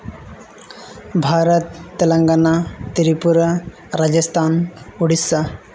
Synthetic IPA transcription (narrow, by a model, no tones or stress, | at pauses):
bʱaɾət̪ːelɐŋɡanat̪iɾipuɾ | ɾad͡ʑəst̪ʰanuɽisa